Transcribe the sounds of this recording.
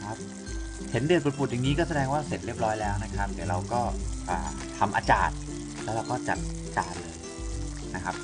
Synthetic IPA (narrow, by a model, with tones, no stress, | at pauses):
kʰa˦˥p̚ | he˩˦ndɯ˨˩ət̚bo˧˩t̪̚pʰu˨˩t̪ja˨˩ŋːiː˦˥kɔː˥˩sa˧dɛː˧ŋwaː˥˩se˨˩t̪̚ɾi˥˩əp̚ɾɔː˦˥jlɛː˦˥wna˦˥kʰa˦˥p̚d̪iː˨˩ɾa˧wkɔː˥˩ʔaː˨˩ | t̪ʰa˧mʔa̰˧t͡ɕa̰ː˨˩t̪̚ | lɛː˦˥ɾa˧wkɔː˥˩t͡ɕa̰˨˩t̪̚ | t͡ɕa̰ː˨˩t̪̚lɤː˧j | na˦˥kʰa˦˥p̚